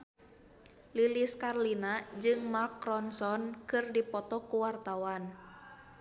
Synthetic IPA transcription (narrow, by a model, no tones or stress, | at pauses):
liliskarlinad͡ʒɨŋmarkɾɔnsɔnkɨrdipɔt̪ɔkuwart̪awan